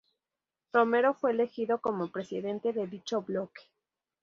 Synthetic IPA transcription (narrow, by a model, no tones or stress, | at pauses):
ro̞me̞ɾo̞fwe̞ːle̞xiðo̞ko̞mo̞pɾe̞siðe̞nt̪e̞ðe̞ðit͡ʃo̞βlo̞ke̥